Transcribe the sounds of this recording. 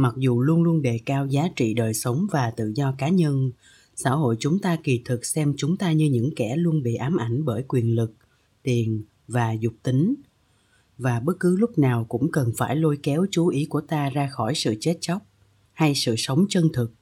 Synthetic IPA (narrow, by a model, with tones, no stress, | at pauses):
ma˨˩k̚zu˨˩lu˧ənlu˧ənɗe˨˩kaː˧wzaː˨˦t͡ɕḭ˧˨ɗəː˨˩jsə˨˦wŋ͡mvaː˨˩t̪ɨ̰˧˨zɔ˧kaː˨˦ɲə˧n | sa̰ː˧˥hɦo̰˧˨jt͡ɕʊ˨˦ŋ͡mt̪aː˧ki˨˩t̪ʰɨ˨˩k̚sɛ˧mt͡ɕʊ˨˦ŋ͡mt̪aː˧ɲɨ˧ɲɨ̰˧˥ŋkɛ˧˩lu˧ənɓḭ˧˨ʔaː˨˦mʔa˧˩jŋ̟ɓəː˧˩jkwi˨˩ənlɨ˨˩k̚ | t̪i˨˩ən | vaː˨˩zʊ˨˩k͡p̚t̪i˨˦ŋ̟ | vaː˨˩ɓə˦˥k̚kɨ˨˦lʊ˦˥k͡p̚naː˨˩wkʊ̰˧˥ŋ͡mkə˨˩nfaː˧˩jlo˧jkɛ˨˦wt͡ɕu˨˦ʔi˨˦ku˧˩ət̪aː˧zaː˧xɔ˧˩jsɨ̰˧˨t͡ɕe˦˥t̚t͡ɕa˦˥wk͡p̚ | ha˧jsɨ̰˧˨sə˨˦wŋ͡mt͡ɕə˧nt̪ʰɨ˨˩k̚